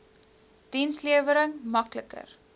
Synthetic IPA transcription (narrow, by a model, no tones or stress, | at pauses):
d̥insliəvəɾəŋmɐkləkə̰r